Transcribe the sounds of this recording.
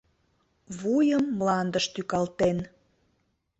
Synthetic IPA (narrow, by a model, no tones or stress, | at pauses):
βujəmːlɑnd̪əʃt̪ykɑlt̪en